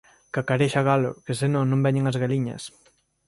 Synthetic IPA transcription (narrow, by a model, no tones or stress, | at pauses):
kakaɾeʃaɣalo̰kesɪnõnõmbɛɲeŋɐzɣaliɲɐ̰s